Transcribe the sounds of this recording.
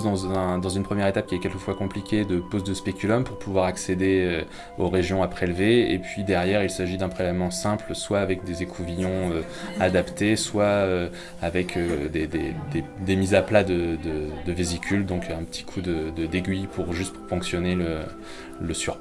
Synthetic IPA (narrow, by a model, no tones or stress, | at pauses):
d̪ɑ̃zɛ̃d̪ɑ̃zynpχəmjɛʁet̪ap̚kʲiɛkʲɛlkəfwakɔ̃plikʲed̪əpozd̪əspekʲylɔmpuʁpuvwaʁaksed̪eø | oʁeʒjɔ̃apχelveepɥid̪ɛʁjɛʁilsaʒid̪ɛ̃pχelɛvmɑ̃sɛ̃plswaːvɛk̚d̪ezekʰuvijɔ̃ø | ad̪apt̪eswaø | avɛkʰød̪ed̪ḛd̪ed̪emizaplad̪əd̪əd̪əvizikʲyld̪ɔ̃kɛ̃pət̪ʰi̥kʰud̪əd̪əd̪eɡʲɥipʰuʁʒyst̪̚ppɑ̃ksjɔnelə | ləsyʁ